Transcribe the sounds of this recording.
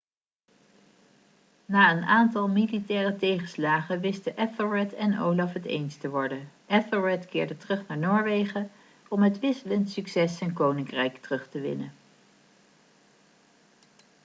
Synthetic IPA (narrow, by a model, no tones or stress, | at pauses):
naːənaːntɑlˠmilitɛːrətejχəslaːχəʋɪstəʔɛfəɹɛtʰɛno̰wlɑfɦətḛjnstəʋɔɹdənʔɛfəɹɛtkɪːɹdətərɵχnaːɹnoːɹʋejχə | ɔmɦətʋɪsələntsyksɛsɛjnkownɪŋkrɛjktərɵχtəʋɪ̰nə